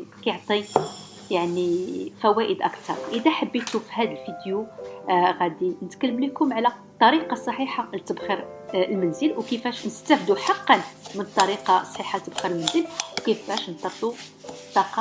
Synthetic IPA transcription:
kɑjʕt̪ˤi | jaʕnifæwæʔəd̪ʔəkt̪ɑ̰ɾˤʔəd̪æħəbːiʃufhæd̪əlfid̪ju | ɣæd̪inət̪kəlːəmləkʊmʕlæt̪ˤːɑɾiqɑsˤːɑħiħalt̪əbxəɾlmænzəlwkəfæʃnəst̪æfd̪uħɑqːɑnmənt̪ˤːɑɾiqɑsˤħiħalt̪əbxəɾəlmənzəlwkəfæʃnt̪ˤːɑflu | t̪ːɑqɑ

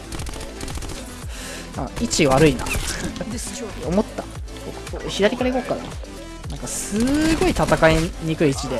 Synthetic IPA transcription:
a̰it͡ɕiβaɾɯ̟ina̰ | omo̞t̪ːa | bokɯ̥koçid̪aɾʲikaɾeiɡokana̰ | nãŋkasɨɡo̞it̪at̪akaiɲ̟ikɯ̟iit͡ɕid̪e̞

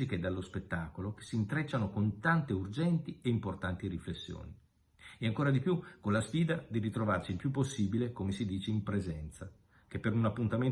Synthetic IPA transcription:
iked̪alːospet̪ːaːkoloke̥sːint̪ɾet͡ʃːanokont̪ant̪eurd͡ʒɛnt̪ieimport̪ant̪iɾiflesːjo̰ːni | eaŋkoːɾad̪ipjukonlasfiːd̪ad̪irit̪ɾovarsiːlpjupːosːiːbilekomesid̪iːt͡ʃeimpɾezɛnt̪sa | kepːeɾunapːunt̪amen

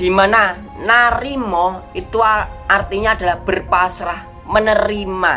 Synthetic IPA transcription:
d̪̥i̤mana | naɾimɔit̪uaart̪iɲaad̪̥a̤lahb̥ərpasɾah | mənəɾima

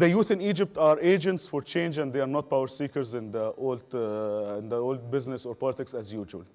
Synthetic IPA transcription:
d̪əjuːθɪ̃niːd͡ʒɪp̚t̪ɑːɾeːd͡ʒə̃ntsfoɾt͡ʃẽːnd͡ʒæ̃nd̪d̪eɑɾnɔt̪̚pawəɾsiːkəɾzɪ̃nd̪əʔoːld̪ɪ̃nd̪əoːld̪̚bɪznɪsoːɾpɔlɪt̪ɪksæzjuːʒə̰l

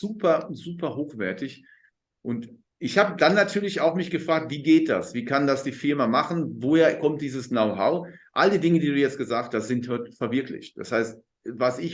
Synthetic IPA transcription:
z̥uːpɐzuːpɐɦoːxv̥ɛɐtɪç | ʔʊnt | ʔɪçhaːbədanːatʰyːɐlɪçaʊxmɪçɡ̥əfʁ̥aːk̚tv̥iːɡeːt̚d̥a̰sv̥iːkʰandasd̥iːfɪɐmamaχn̩voːheːɐkʰɔmt̚d̥iːzəsnoʊɦaʊʔalədiːdɪŋədiːduːjɛt͡stɡ̥əzaːkst̚d̥az̥ɪnthɔɐtfɛɐvɪɐklɪ̰çt̚d̥a̰shaɪst | vasɪç

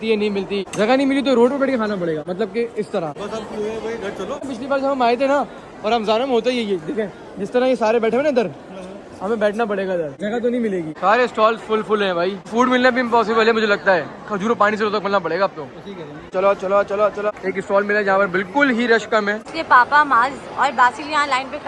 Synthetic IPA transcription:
t̪iɦɛnɐɦĩmɪlt̪id͡ʒɐɡanɐɦĩmɪlit̪̬oɾoːɖpebɛːʈkekʰaːnapɐɽeːɡaːmɐt̪ləb̚keɪst̪ɐɾaɔt̪ɐueʋoiɡɐɾt͡ʃɐlopɪt͡ʃʰlibaːɾd͡ʒɐɦɐmaːet̪̬ʰẽna | ɔːɾɦɐmzaːɾəmɦoːt̪̬aiejed̪eːkʰẽː | d͡ʒɪst̪ɐɾajesaːɾebɛːʈʰemẽnãd̪ɐɾ | ɦɐmẽbɛːʈʰnapɐɽeːɡad̪ɐɾd͡ʒɐɡat̪̬onɐɦĩmɪleːɡiːsaːɾeɪsʈɔːlsfʊlfʊlɦɛ̃bʱaːifuːɖmɪlnabʱipɔːs̬ɪbəlɦɛmʊd͡ʒʱelɐɡ̚t̪aɦɛːkʰɐd͡ʒuːɾopaːɽ̃iseɾoːt̪akʰoːlnapɐɽeːɡaːp̚t̪oʈʰiːkɛ | t͡ʃɐlot͡ʃɐlot͡ʃɐlot͡ʃɐlaeːkɪsʈɔːlmɪled͡ʒɐɦãpɐɾbɪlkʊlɦiɾɐʃkəmẽːɪslepaːpamaːzɔːɾbaːsiljɐɦãlaːɪnpekʰ

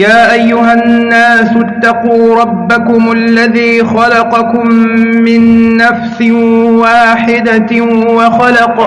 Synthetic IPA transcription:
jaːʔajːʊɦanːaːsʊt̪ːɑquːɾˤɑbːakʊmalːaðiːxɑlɑqɑkʊmːɪnːafsɪwaːħɪd̪awɑxɑlɑq

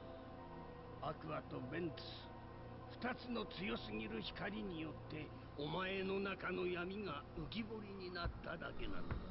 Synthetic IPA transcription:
akɯ̟at̪o̞bẽ̞nt̪ | ɨ̥ | ɸɯ̟̥t̪at͡sɨno̞t͡sɨjo̞sɨɡʲiɾɯ̟çi̥kaɾʲiɲ̟ijo̞t̪ːe̞ | omae̞no̞nakano̞jamʲiŋaɯɡʲibo̞ɾʲiɲ̟inat̪ːad̪a̰ke̞nã̰no

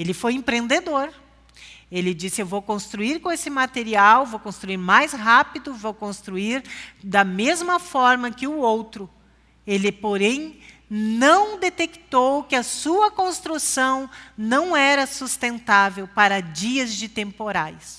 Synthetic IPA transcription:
elɪfojẽpɾẽnd̪ed̪oɾ | elɪd͡ʒisɪewvowkõst̪ɾuiɾkõesɪmat̪eɾiawvowkõst̪ɾuiɾmajsɦapid̪ʊvowkõst̪ɾuiɾd̪ɐmezmɐfɔɾmɐkɪʊowt̪ɾʊ | elɪpoɾẽj̃ | nɐ̃w̃d̪et̪ekt̪owkɪɐsuɐkõst̪ɾusɐ̃w̃nɐ̃w̃ɛɾɐsust̪ẽnt̪avewpaɾɐd͡ʒiɐzd͡ʒɪt̪ẽmpoɾajs

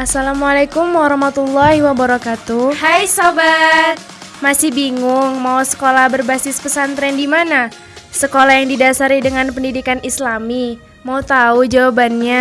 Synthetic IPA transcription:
ʔasalamualakʊmwaɾɔhmat̪ulːahiwabaɾɔkat̪uhajsabat̪̚ | masɪhbiŋʊŋmausə̥kolahbərbasɪspəsant̪ɾɛndimana | səkolajaŋdidasaɾidəŋanpəndidikanislami | maut̪aud͡ʒawabanɲa

